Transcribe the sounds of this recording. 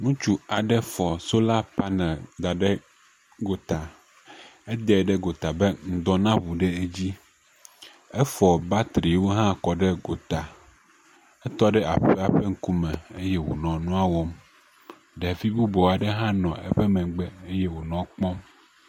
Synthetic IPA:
nũ˦t͡ʃu˨a˨ɖɛ˦fɔ˨so˦la˦pa˦nɛ̃˨d̪a˨ɖɛ˦ | ɡo˨t̪a˨ | ɛ˦d̪ɛ˨ɖɛ˦ɡo˨t̪a˨be˦ŋ̩˨d̪ɔ˨nã˦βu˨ɖe˦e˦d͡ʑi˦ | ɛ˦fɔ˨ba˦t̪ɾi˨wo˦ɦã˦kɔ˨ɖɛ˦ɡo˨t̪a˨ | ɛ˦t̪ɔ˦ɖɛ˦ʔa˨ɸɛ˦a˨ɸɛ˦ŋ̩˨ku˦mɛ̃˨e˦jɛ˦wo̰˨nɔ̃˨nũ˦a˦wɔ˦m | ɖɛ˨vi˦bu˦bɔ˨a˨ɖɛ˦ɦã˦nɔ̃˨ɛ̰˦ɸɛ˦mɛ̃˨ɡ͡bɛ˦e˦jɛ˦wo˨nɔ̃˨k͡pɔ̃˦m

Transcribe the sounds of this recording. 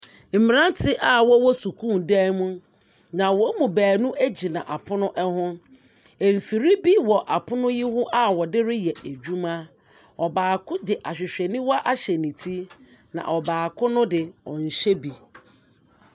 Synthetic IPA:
m̩˨mĩ˨ɾã˦tʰɪ˦ʔa˦˨wɔ˦wɔ˦su˨kʰũ˦mdɛ˦mũ˦ | nã˨wɔ˦mũ˨bæː˨nũ˦ʔæ˦d͡ʑi˨nã̰˨ʔa˨pʰʊ˦nʊ̃˦ʔɛ˦hʊ̃˦ | e˨m̩˨fi˨ɾi˦bi˦wɔ˨ʔa˨pʰʊ˦nʊ̃˦ji˦hʊ̃˦ʔa˦wɔ˨dɪ˦ɾɪ˦jɛ˨e˨d͡ʑu˦mã˦ | ɔ˨baː˨kʰʊ˦dɪ˨ʔa˨ɕᶣɪ˨ɕᶣɛ˨nɪ̃˦wɔ˦a˦ʔa˦ɕɛ˨nĩ˨tʰi˦nã̰˨ʔɔ˨baː˨kʰʊ˦nʊ̃˦dɪ˨ɔ̰̃˨n̩˨ɕɛ˦bi˨

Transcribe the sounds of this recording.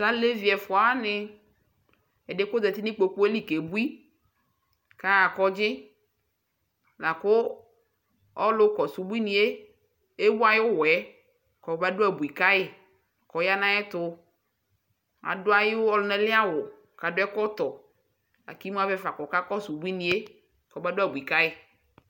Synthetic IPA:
sa˦le˦vi˨ɛ˨fʊ˨a˨˦nɪ˦ | ɛ˨de˦ko˦d̪ɛ˨t̪i˦nɪ̃˦k͡po˨k͡pu˦e˦li˦ke˨bu˦i˦ | ka˦ja˨kɔ˦d͡ʒɪ˦ | la˨kʊ˦ | ɔ˦lʊ˦kɔ˨su˨bu˦i˦nĩ˨e˦ | e˦wu˦a˨jɪ˦ʊ˦wɛ˨˦ | kɔ˨˦ba˦dʊ˦ɛ˨bu˨i˨ka˦jɪ˨ | kɔ˨ja˦nã˦ɛ˦t̪ʊ˨ | a̰˨dʊ˦a˨jɪ˦ɔ˦lʊ˨˦nɛ˦lɪ˦a˦wʊ˨ | ka˨dʊ˦ɛ˦kɔ˦t̪ɔ˨ | a̰˨ki˦m˦a˦vɛ˦fa˨kɔ˨ka˦kɔ˦su˨bu˦i˦nĩ˨e˦ | kɔ˨ba˦dʊ˦a˨bu˨i˨ka˦ɪ˨

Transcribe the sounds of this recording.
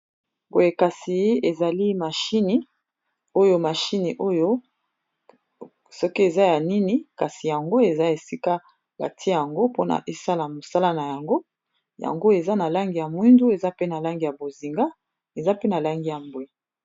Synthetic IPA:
mbo˨je˨ka˨si˨˦e˨za˨li˦ma˨ʃi˦ni˦ | o˦jo˦ma˨ʃi˦ni˨ʔo˦jo˦ | sɔ˦ki˦e˨za˦ja˨ni˦ni˦ka˨si˨ja˨ŋɡo˦e˨za˦e˨si˦ka˦ | ba̰˨tʰi˦ja˨ŋɡo˦po˦na̰˨ʔe˦sa˦la˨mo˨sa˦la˦na˨ja˨ŋɡo˦ | ja̰˨ŋɡo˦e˨za˦na˨la˦ŋɡi˨ja˨mwi˦ndu˦e˨za˦pe˦na˨la˦ŋɡi˨ja˨bo˨zi˨ŋɡa˦ | e˨za˦pe˦na˨la˦ŋɡi˦ja˨mbwe˨

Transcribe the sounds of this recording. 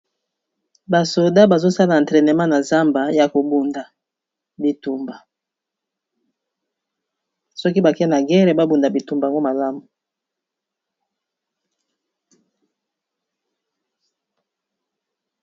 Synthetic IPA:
ba˨so˨da˦ba˨zo˦sa˦la˨n˨tʁɛ˨ne˨ma˦na˨za˦mba˨ja˨ko˨bu˨nda˨ | bi˨tu˨mba˨ | sɔ˦ki˦ba˨kɛ˦na˨ɡɛ˦ʁe˨ba˦bu˨nda˨bi˨tu˨mba˨a˨ŋɡo˦ma˨la˦mu˨

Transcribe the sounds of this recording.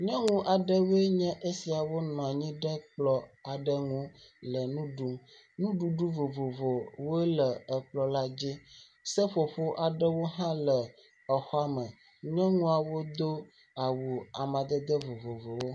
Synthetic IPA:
ɲɔ̃˦ŋũ˦ʔa˨ɖə˦wo˦e˦ɲɛ̃˦ʔe˦si˨a˨wo˦nɔ̃˨a˨ɲĩ˦ɖə˦k͡plɔ˦a˨ɖə˦ŋũ˦lə˨nũ˦ɖu˦m | nũ˦ɖu˦ɖu˦vo˨vo˨vo˨wo˦lə˨ə˨k͡plɔ˦la˦d͡ʑi˦ | sə˦ɸo˨ɸo˦ʔa˨ɖə˦wo˦ɦã˦lə˨ | ə˨xɔ˦a˦mə̃˨ | ɲɔ̃˦ŋũ˦a˨wo˦d̪o˦ | a˨wu˨a˨mã˨d̪ə˦d̪ə˦vo˨vo˨vo˨wo˦

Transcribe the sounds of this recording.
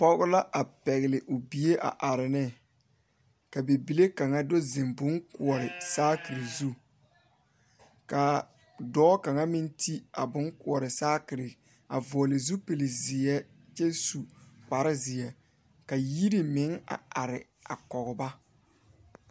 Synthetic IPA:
pɔ˦ɣʊ˦la˦ʔa˨pɛ˨ɣɪ˨lɪ˨ʔʊ˨bi˨e˦ʔa̰˨ʔa˨ɾɪ˨nɪ˦ | ka˨be˨bi˨le˦ka˨ŋa˦do˦zɪ˨mbʊ˦ŋkʊ˨ɔ˨ɾɪ˨saː˦kɪ˨ɾi˨zu˦ | ka˨ | dɔː˦ka˨ŋa˦mɪ˦ntʰi˦a̰˨bʊ˦ŋkʊ˨ɔ˨ɾɪ˨saː˦kɪ˨ɾɪ˨ | a̰˨vɔ˨ɔ˨lɪ˨zu˦pe˨lɪ˨zɪ˨ɛ˦ | t͡ʃɛ˦su˨k͡pa˨ɾɪ˦zɪ˨ɛ˨ | ka˨ji˦ɾi˨mɪ˨˦ŋa̰˨a˨ɾɪ˨ | a˨kɔ˨ɣʊ˨ba˦

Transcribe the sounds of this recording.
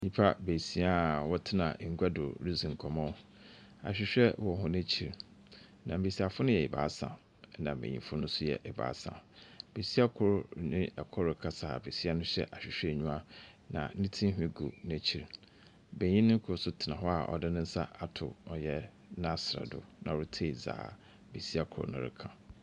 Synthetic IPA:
ɲĩ˦pʰa˦be˨si˦a˦wɔ˦tʰɪ˦nã˨ŋ̩˨ɡʷa˦dʊ̰˨ɾi˦zĩ˨ŋ̩˨kʰɔ˨mɔ̃˦ | a̰˨ɕᶣɪ˨ɕᶣɛ˦wɔ˨hʊ̃˨næ̃˦t͡ɕʰi˨ɾ | nã˨mbe˨si˨a˨fʊ˦nʊ̃˦jɛ˨ɪ˨ba̰ː˨˦sã̰˨ | nã˨bḛ˨ɲḭ̃˨fʊ˦nʊ̃˦sʊ˦jɛ̰˨ʔɛ˨ba̰ː˨˦sã̰˨be˨si˦a˦kʰʊ˦ɾnɪ̃˦ɛ˨kʰɔ˦ɾɪ˨kʰã˦sa˨be˨si˦a˦nʊ̃˦ɕɛ˦˨ʔa˨ɕᶣɪ˨ɕᶣɛ˦˨ɲũ˦ã˦ | nã̰˨˦nĩ˦tʰĩ˦ɦᶣĩ˦ɡu˨næ̃˨t͡ɕʰi˨ɾ | bẽ˨ɲĩ˦nʊ̃˦ŋ̩˦kʰʊ˨˦ʊ˨sʊ˦tʰɪ˨nã˨ɦɔ˦a˨ʔɔ̰˨dɪ˦nʊ̃˦n̩˦sa˦a˨tʰʊ˨ɔ˨jɛ˨ | nã˦sɾa̰˨dʊ̰˨nã̰˨wʊ˦tʰe˦˨za̰ː˨ | be˨si˦a˦kʰʊ˨ɾʊ̰˨nʊ̃˦˨ɾɪ̰˦kʰã˨

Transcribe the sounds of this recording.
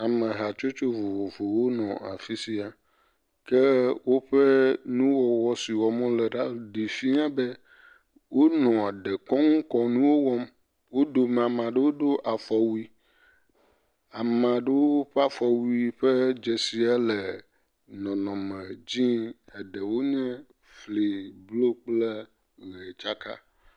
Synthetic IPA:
a˨mɛ̃˨ɦa˨t͡ʃo˦t͡ʃo˦vo˨vo˨vo˨wo˦nɔ̃˨a̰˨fi˦si˦a˨ | kɛ˦wo˦ɸɛ˦nũ˦wɔ˨wɔ˦si˨wɔ˨mɔ̃˦lɛ˨ɖa˦˨ɖi˨fi˦ã˦bɛ˦ | wo˦nɔ̃˨a˨ɖɛ˨kɔ˦ŋũ˦kɔ˨nũ˦wo˦wɔ˦m | wo˦do˨m˨a˨mã˨ɖe˦wo˦do˦ʔa˨fɔ˨wu˦i˦ | a˨mã˨ɖe˦wo˦o˦ɸɛ˦a˦fɔ˨wu˦i˦ɸɛ˦d͡ʒɛ˨si˨a˦lɛ˨ | nɔ̃˨nɔ̃˨mɛ˨d͡ʑĩ˦ɛ˨ɖɛ˨wo˦ɲɛ̃˦ | fli˨blo˦k͡plɛ˦ | ɣɛ˨t͡ʃa˦ka̰˦

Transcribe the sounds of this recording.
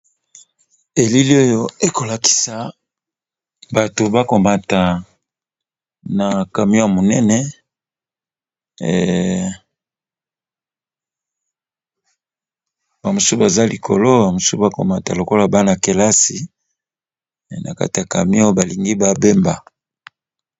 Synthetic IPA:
e˨li˦li˦o˦jo˦e˦ko˨la˨ki̥˨˦sa˦ | ba˨to˨ba˦ko˨ma˨ta˨ | na˨ka˨mi˦o˦a˨mo˨nɛ˦nɛ˦ | ba˨mo˨su˦ba˨za˦li˨kʰo̰˨lo˦ba˨mo˨su˦ba˦ko̰˨ma˨ta̰˨lo˨ko˦la˨ba˦na˨ke˨la˦si˨ | nʔa̰˨ka̰˦ti˨a˨ka̰˨mi˦o˦o˦ba˨li˨ŋɡi˦ba˦be˦mba̰˨

